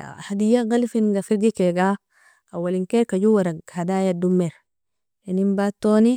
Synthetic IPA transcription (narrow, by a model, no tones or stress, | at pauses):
had̪ijaɡalfinɡafiɾɡikeɡa | awːaliŋkeɾkaɟuwaɾahadaːjadumːeɾ | enimbat̪ːoːni